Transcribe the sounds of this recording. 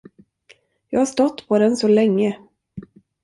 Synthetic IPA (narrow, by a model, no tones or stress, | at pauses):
jɑːɡhaʂt̪ɔt̪ːpʰɔd̪ɛnsɔlɛŋːə